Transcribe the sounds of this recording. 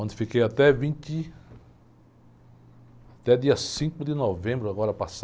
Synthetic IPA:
õnd̪ɪfikejat̪ɛvĩnt̪i | at̪ɛd̪iɐsĩkʊd̪ɪnovẽmbɾʊaɡɔɾɐpas

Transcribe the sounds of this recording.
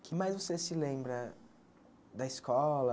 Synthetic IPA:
kʰɪmajzvosesɪlẽbɾɐ | d̪ɐɪskɔlɐ

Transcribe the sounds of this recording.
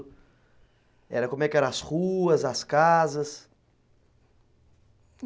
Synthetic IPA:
ɛ̰ɾɐkõmʊɛkɪɛɾɐ̃ashuɐzɐskazɐs

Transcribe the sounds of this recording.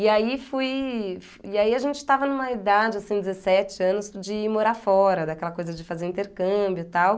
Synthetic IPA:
ɪaifujfiaiaʒẽnt͡ʃɪ̥t̪avɐnũmɐid̪ad͡ʒɪasĩd͡ʒ̪ɪzesɛt͡ʃɪɐ̃nʊsd͡ʒɪmoɾafɔɾɐd̪akɛlɐkojzɐd͡ʒɪfazeɾĩnt̪eɾkɐ̃mbjʊt̪aw

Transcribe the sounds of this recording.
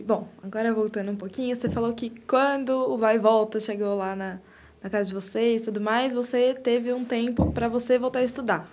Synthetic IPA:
bõw̃aɡɔɾɐvowt̪ɐ̃nd̪ũpokĩɲʊsefalowkɪkwɐ̃nd̪ʊːvajvɔwt̪ɐʃeɡowlanɐ | nɐkazɐd͡ʒɪvoseɪt̪ud̪ʊmajzvoset̪evɪũt̪ẽmpʊpɾɐvosevowˠt̪aɾɪst̪ud̪a

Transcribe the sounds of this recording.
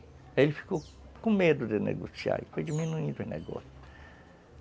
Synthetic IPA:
elɪfi̥kowkõmed̪ʊd̪ɪnḛɡo̰sia̰ɾifojd͡ʒiminuĩnd̪ʊẽnḛɡɔ̰sʊ

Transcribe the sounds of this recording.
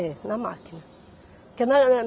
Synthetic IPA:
enama̰ːkina | kɛnan

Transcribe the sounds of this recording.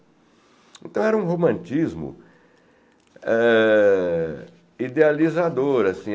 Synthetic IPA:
ẽnt̪ɐ̃w̃ɛɾɐũɦomɐ̃nt͡ʃizmʊ̰ | ɛ | id̪ealizad̪oɾasĩ

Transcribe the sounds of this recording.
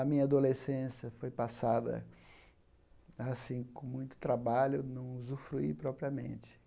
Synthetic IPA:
ɐmĩɲɐad̪olesẽsjɐfojpasad̪ɐ̰ | asĩkõmũj̃t̪ʊ̥t̪ɾabaʎʊnɐ̃w̃zufɾuḭpɾɔpɾiɐmḛ̃nt͡ʃɪ̥

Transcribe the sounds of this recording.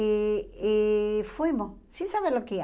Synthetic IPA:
eefwimosĩnsaβeɾloke

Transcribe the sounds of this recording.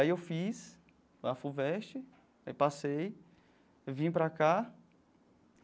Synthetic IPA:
aiewfis | afuvɛʃt͡ʃɪ | aipasej | vĩpɾaka

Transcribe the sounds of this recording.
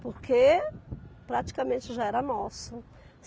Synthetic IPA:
poɾke | pɾat͡ʃi̥kɐmẽnt͡ʃɪʒaɛɾɐnɔsʊ

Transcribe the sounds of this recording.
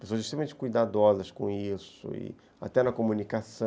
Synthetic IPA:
pesoɐzɪiʃt̪ɾemɐmẽt͡ʃɪ̥kujd̪ad̪ɔzɐskõisʊ̰ɪ̰ | a̰t̪ɛnɐkomũnikasɐ̃

